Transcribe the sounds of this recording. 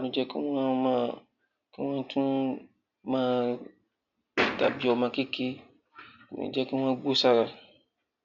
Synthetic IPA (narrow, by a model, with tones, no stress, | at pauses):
a˨nũ˨d͡ʒɛ˦kṵ˦ŋ˦a˦ma˦˨ | kɨ˦ŋʷã˦n˦tʰũ˦ | mãː˦ | da̰˨bi˨ɔ˨mã˨ke˦ke˦ | kṵ˨nḭ̃˨d͡ʒɛ˦kɨ˦ŋ˦ã˦ɡ͡bo˦sa˦ɣa˨